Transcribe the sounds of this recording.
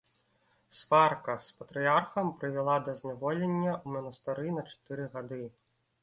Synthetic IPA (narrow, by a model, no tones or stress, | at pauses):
sfarkɐspɐt̪ɾɨjarxɐmpɾɨvʲɛlˠad̪ɐzʲnʲavɔlʲenʲːɐumɐnɐst̪ɨɾɨnɐt͡ʂḁt̪ɨɾɨɣad̪ɨ